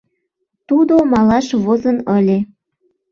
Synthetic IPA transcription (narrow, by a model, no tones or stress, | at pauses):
t̪ud̪omɑlɑʃβozənəlʲe